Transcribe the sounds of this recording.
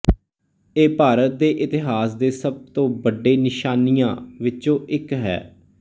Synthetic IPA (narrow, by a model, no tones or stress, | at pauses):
eːpaːɾət̪̚d̪eːʔɪt̪ɪɦaːsd̪eːsəb̚t̪õːbəɖeːnɪʃaːnijãːʋɪt͡ʃõːʔɪkɦɛ̰ː